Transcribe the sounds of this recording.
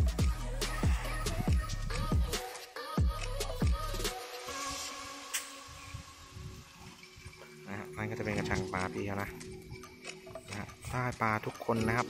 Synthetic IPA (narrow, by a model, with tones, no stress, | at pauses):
na˦˥ha̰˦˥ʔna˦nkɔː˥˩t͡ɕpe˧nka˧mt͡ɕʰa˧ŋpaː˧pʰiː˧a˧na˦˧˩ | na˦˥ha̰˦˥ʔsaː˥˩jpaː˧t̪ʰu˦˥kʰːo˧nːa˦˥kʰa˦˥p̚